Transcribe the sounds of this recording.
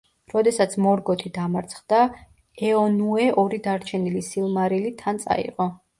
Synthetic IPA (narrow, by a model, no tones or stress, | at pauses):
ɾɔd̪ɛsat̪sʰmɔɾɡɔt̪ʰid̪amaɾt̪sʰχd̪a | ɛɔnuɛʔɔɾid̪aɾt͡ʃʰɛnilisilˠmaɾilit̪ʰant̪sʼa̰ḭʁɔ